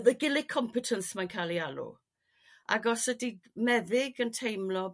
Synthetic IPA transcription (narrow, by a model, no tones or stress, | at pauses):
ðəɡɪlɪkʰɔmpʰɪtʰənsmankʰaːlˠialṵ | ʔa̰ɡɔsədimɛðɪɡəntʰejmlɔ